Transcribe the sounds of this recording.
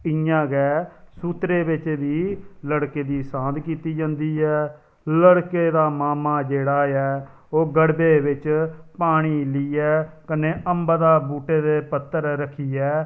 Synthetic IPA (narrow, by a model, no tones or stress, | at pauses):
ɪjãːɡɛːsuːt̪ɾeːbɪt͡ʃbiːləɽkeːd̪iːsãːd̪kiːt̪iːd͡ʒãːnd̪iːɛː | ləɽkeːd̪aːmaːmaːd͡ʒeːɽaːɛː | oːɡəɽbeːʋɪt͡ʃpaːɽ̃iːliːɛːkəneːʔəmbad̪aːbuːʈeːd̪eːpət̪ːəɾɾəkʰiːɛː